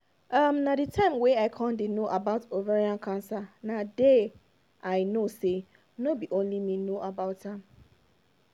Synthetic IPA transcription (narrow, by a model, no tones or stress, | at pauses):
amnaditʰãɪ̃mweaɪkʰɔ̃ndenoʔabaʊtoveɹiãnkʰãnsanade | ʔaɪnose | nobiʔõnlimĩnoʔabaʊtãm